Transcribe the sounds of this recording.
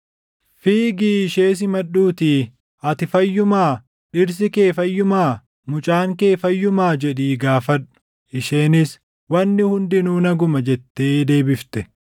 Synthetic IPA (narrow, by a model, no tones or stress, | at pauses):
fiːɡiːɪʃeːs̬ɪmɐɗuːt̪iː | ɐt̪ɪfɐjːʊmaː | ᶑɪɾs̬ɪke̞ːfɐjːʊmaː | mʊt͡ʃʼaːŋke̞ːfɐjːʊmaːd͡ʒɛᶑiːɡaːfɐᶑʊ̥ | ʔɪʃeːnɪs | wɐnːɪhʊnd̪ɪnuːnɐɡʊmɐd͡ʒɛt̪ːe̞ːd̪e̞ːbɪft̪ɛ